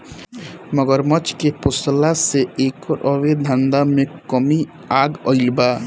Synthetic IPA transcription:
məɡəɾmət͡ʃkepʊslaseeːkɔɾʔɔwed̪ʱãnd̪amẽkəmi | aːɡɔilba

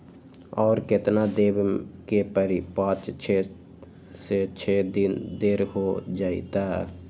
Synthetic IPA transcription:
ɔːɾkɪt̪nad̪eːbkepəɾipãːt͡ʃt͡ʃʰe | set͡ʃʰeːd̪ɪnd̪eːɾɦod͡ʒaːḭt̪aɛ

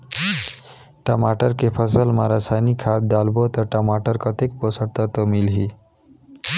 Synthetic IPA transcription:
ʈəmaʈəɾkepʰəsəlmaɾasajnikʰːat̪̚d̪albot̪ɔʈəmaʈəɾkʌt̪ekbosəɽt̪at̪ɔmilɦi

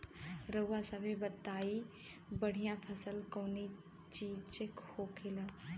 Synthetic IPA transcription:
ɾəasəbʱebət̪ːaːi | bəɽ̤ijãpʰəsəlkoːni | t͡ʃiːd͡ʒt͡ʃekhoːkʰela

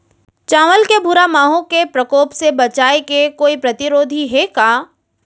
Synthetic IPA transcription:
t͡ʃãːʋəlkebʱuɾamaːɦõkepɾəkoːpsebɐt͡ʃaːekekoːipɾɐt̪ɪɾoːd̪ʱiɦɛkaː

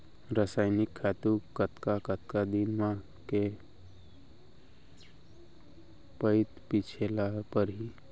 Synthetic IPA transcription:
ɾəsaɪnɪkʰːat̪ukət̪kakət̪kad̪inmã | ke | pəɪt̪pit͡ʃʰelapəɾɦi

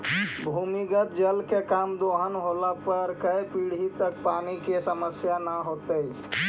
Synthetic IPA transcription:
bʱuːmiɡət̪̚d͡ʒəlkekaːmd̪oːɦənɦoːlapəɾkəepiːɽ̤it̪ək̚paːnikesəməsjanaɦoːt̪ei

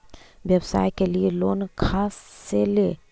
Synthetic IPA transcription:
ʋjəbsa̰ːjkelieloːnkʰaːsːeleː

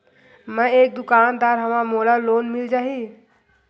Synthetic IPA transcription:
mə̃eːk̚d̪ʊkaːnd̪aːɾɦəmamoːlaloːnmɪld͡ʒaːɦi

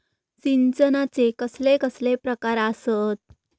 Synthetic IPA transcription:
sint͡sənat͡sekəslekəslepɾəkaɾasət̪̚

